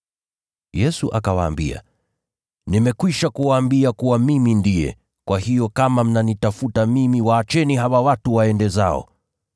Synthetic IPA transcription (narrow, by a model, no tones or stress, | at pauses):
jɛsuʔakawaːmbḭa̰ | nimɛkwiʃakuwaːmbiakuwamimindijɛ̰ | kwahijɔkamam̩nanitafutamimiwaːt͡ʃɛniɦawawatuwaɛndɛza̰ɔ̰